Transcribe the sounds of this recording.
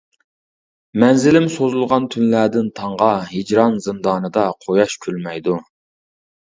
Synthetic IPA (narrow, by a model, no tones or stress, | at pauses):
mɛnzɪlɪmsozulˠʁɑnt̪ʰynlæd̪ɪnt̪ʰɑɴʁɑɦid͡ʒɾɑnzɨnd̪ɑːnɨd̪ɑqʰojɑʃkʲʰylmɛjd̪u